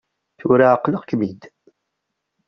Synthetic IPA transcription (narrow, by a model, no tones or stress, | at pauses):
θuɾaəqːləʁkmid̪